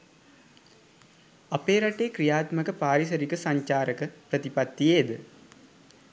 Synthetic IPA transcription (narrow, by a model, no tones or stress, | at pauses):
apeːɾaʈeːkɾijaːt̪məkəpaːɾis̬ɐɾikəsaɲt͡ʃaːɾəkəpɾət̪ipat̪ːijeːd̪ə